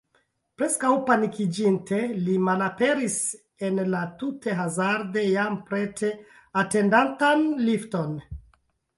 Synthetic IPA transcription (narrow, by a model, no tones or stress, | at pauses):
pɾe̞skawpanikid͡ʒintʰe̞limalape̞ɾis | e̞nlatute̞ɦazaɾde̞jampɾe̞tʰe̞ | ate̞ndantanlifto̞n